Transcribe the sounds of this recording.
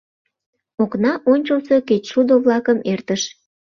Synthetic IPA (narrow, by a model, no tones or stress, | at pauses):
oknɑʔonʲt͡ɕəlseket͡ɕʃud̪oβlɑkəmert̪əʃ